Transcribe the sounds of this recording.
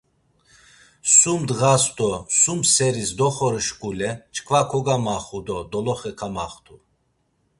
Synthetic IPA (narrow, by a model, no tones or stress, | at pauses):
sumd̪ɣasd̪ɔsumsɛɾisd̪ɔχɔɾʃkʼulɛt͡ʃʰkʰvakʰɔɡamaχud̪ɔd̪ɔlɔχɛkʰamaχt̪ʰu